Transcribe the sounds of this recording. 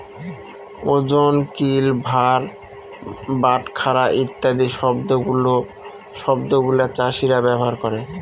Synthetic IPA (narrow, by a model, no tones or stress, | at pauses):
od͡ʑonkilbʱaɾ | baʈkʰaɾaʔit̪ːad̪iʃɔbd̪ouo | ʃɔbd̪oɡulat͡ɕaʃiɾabɛboɦaɾkoɾe